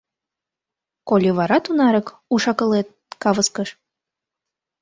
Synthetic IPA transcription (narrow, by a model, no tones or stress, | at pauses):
kolʲiβɑɾɑt̪unɑɾək | uʃɑkə̆let̪̚ | kɑβəskəʃ